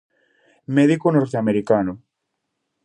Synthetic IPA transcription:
mɛðikonoɾt̪eameɾikano

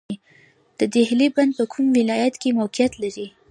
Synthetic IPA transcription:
d̪̥əd̪ehliband̪̚pəkʰumwɪlɑjat̪kemawkijat̪laɾi

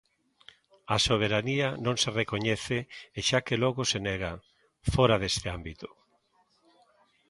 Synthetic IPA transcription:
asoβ̞eɾanianõŋserekoɲɛθeːʃakeloɣoseneɣa | foɾaðest̪eambit̪ʊ̥

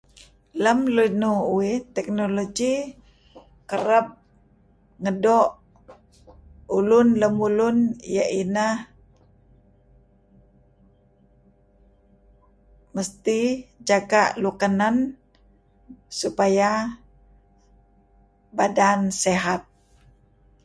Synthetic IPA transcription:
ləmlunuuɪt̪ɛk̚noloɡi | kəɾəp̚ | ŋədɔʔ | ulʊnləmulʊnjaʔinəh | məst̪id͡ʒaɡaʔlukanan | supaja | badanseɦat̪̚

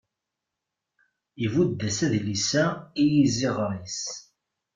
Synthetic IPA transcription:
ivud̪ːæsæðlisæijiziʁɾis

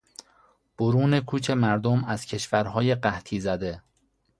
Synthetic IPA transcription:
b̥oɾuːne̞kʰuːt͡ʃʰe̞mæɾd̪omæz̥cʰe̞ʃvæɾɦɒːje̞ɢæht̪ʰiːzæd̪e̞

